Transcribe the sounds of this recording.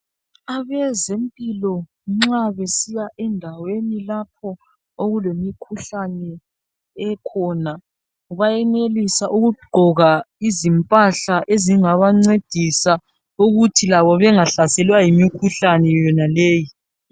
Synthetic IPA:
aβɛzempʼilɔ | ŋ͡ǁaβesijaʔɛndʱawenilap̚ʰɔ | oɣulemikʰuɬanɛ | ɛkʰɔna | βajɛnelisaʔuɣuɡ͡ǃʱɔɣaizimpʼaɬaʔeziŋaβaŋ͡ǀed̥ʱisa | uɣutʰilaβɔβɛŋaɬasɛlwajimikʰuɬanɛjɔnaleːji

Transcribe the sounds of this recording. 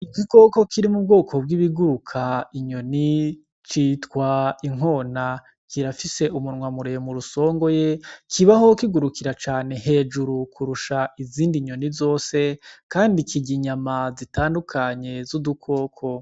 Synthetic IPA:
ikiko̞ko̞kʰiɾimub̚ɡo̞ːkʰo̞b̚ɡiβiɡuɾukʰaiɲo̞ni | t͡ʃiːtkwaiŋ̥o̞ːna | kʰiɾafise̞umunŋwamuɾejomuɾuso̞ːŋɡo̞jekʰiβaho̞kiɡuɾukiɾat͡ʃaːne̞ɦe̞ːd͡ʒuɾukʰuɾuʃaʔiziːndiɲo̞nizo̞ːse̞kaːndikiɟiɲamazitaːndukʰaɲe̞zudukʰo̞ːkʰo̞

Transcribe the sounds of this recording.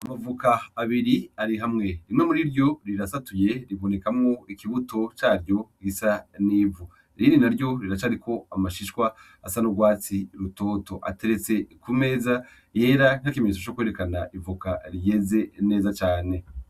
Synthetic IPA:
amavukaːβiɾiaɾiɦamŋe̞ɾimŋe̞muɾiɾjo̞ɾiɾasatuje̞ɾiβo̞ne̞kamŋoikiβuto̞t͡ʃaːɾjo̞ɡisaniːvu | ɾindinaɾjo̞ɾiɾat͡ʃaɾiko̞amaʃiʃwaː | sanoɡwaːt͡siɾuto̞ːto̞ʔa̰te̞ɾe̞t͡se̞kume̞ːza | je̞ːɾan̥akimeɲet͡sot͡ʃokwe̞ɾekanaʔivukaɾje̞ze̞ne̞ːzat͡ʃaːne̞

